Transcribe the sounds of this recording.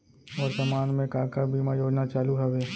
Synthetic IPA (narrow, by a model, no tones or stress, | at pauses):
ɔːɾsɐmaːnmẽkaːkəɾbʱimajoːɽnat͡ʃaːluɦəʋeː